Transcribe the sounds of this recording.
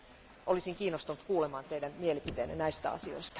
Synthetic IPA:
ʔolisiŋkiːnːost̪unut̪kuːlemɑːnt̪ejdæmmielipit̪ḛːnːæ̰næist̪æ̰ɑ̰sio̞̰ist̪ɑ̥

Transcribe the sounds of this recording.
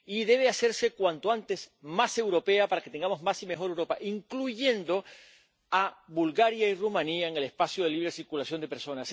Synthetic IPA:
iðe̞βease̞ɾse̞kwant̪oant̪e̞smase̞wɾo̞pe̞apaɾaket̪e̞ŋɡamozmasimexo̞ɾewɾo̞paʔiŋkluʝe̞nd̪o̞ | aβulɣaɾjairumãniaeŋelespasjoðeliβɾe̞siɾkulasjo̞nd̪epeɾso̞nas

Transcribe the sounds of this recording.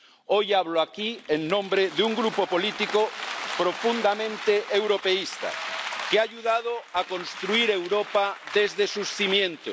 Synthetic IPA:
ojaβloakieŋnõmbɾeðuŋɡɾupopolit̪ikopɾofund̪amẽnt̪eʔewɾopeist̪a̰keaːʎuðað̞oakõnst̪ɾuiɾewɾopaðezðesusθimjẽnt̪o̰s

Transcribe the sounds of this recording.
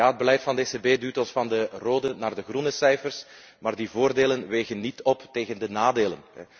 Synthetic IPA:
aːəd̚bəlɛjtfɑndəesebeːduːtɔnsfɑndəroːdənaːrdəɣrunəsɛjfərs | maːrdivoːrdeːlənʋeːɣənːitɔpteːɣəndənaːdeːlənɛ

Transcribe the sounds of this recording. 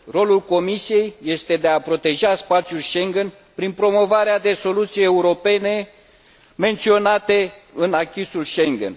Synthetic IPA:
ro̞lulko̞misije̞jːe̞st̪e̞d̪e̞apɾo̞t̪e̞ʒaspat̪sijulʃe̞ŋɡen | pɾinpɾo̞mo̞vaɾead̪e̞so̞lut̪sijeeuɾo̞pe̞ne̞ | me̞nt̪sio̞nat̪e̞ɨnakʲisulʃe̞ŋɡḛn

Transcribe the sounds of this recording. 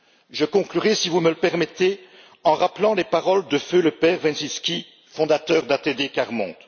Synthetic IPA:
ʒəkɔ̃klyʁesivumələpɛʁmet̪e | ɑ̃ʁaplɑ̃lepaʁɔld̪əføləpɛʁvɛ̃nsiskʲi | fɔ̃d̪at̪œːʁd̪at̪ed̪ekaʁmɔ̰̃t̪

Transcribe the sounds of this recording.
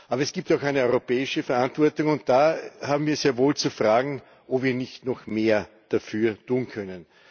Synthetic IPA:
ʔaːbɐɛsɡ̥iːp̚taʊxæɪnəɔʏʁopɛːɪʃəfɛɐʔantv̥ɔɐtʊŋʊnt̚d̥aːhaːbm̩viːɐzeːɐvoːlt͡sufʁaːɡŋ̩ | ʔoviːɐnɪçtnɔxmeːɐ | d̥afyːɐtʰuːnkʰœnən

